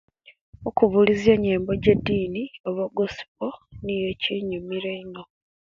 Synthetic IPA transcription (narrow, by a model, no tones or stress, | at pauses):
okuβulizjeɲeːmboɟedːiːnioβaɡosi̥bonijeceɲumiɾeino̞